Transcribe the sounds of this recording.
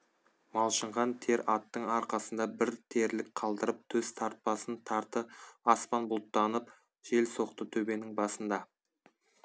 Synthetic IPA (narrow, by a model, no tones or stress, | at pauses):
mɑlˠʃəɴʁɑnt̪ʰe̞ɾɑt̪ːəɴɑɾqɑsənd̪ɑbɪɾt̪ʰe̞ɾlɪk̚qʰɑlˠd̪əɾəp̚t̪ʰɵz̥t̪ʰɑɾt̪̚pɑsənt̪ʰɑɾt̪əɑspɑnbʊlˠt̪ːɑnəp̚ | ʒ̥e̞lso̞qt̪ət̪ʰɵbe̞nɪŋbɑsənd̪ɑ